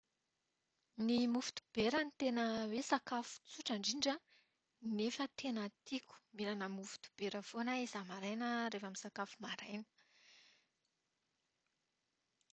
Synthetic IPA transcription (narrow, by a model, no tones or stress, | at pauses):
nimufi̥t̪u̥b̥eɾənit̪enəwesakafu̥t͡suʈ͡ʂaɳɖ͡ʐiɳɖ͡ʐə | nefət̪ʰenət̪ʰikʲu̥miɾanəmufi̥t̪u̥b̥eɾəfonaizamaɾajnəɾefamisakafumaɾajnə̥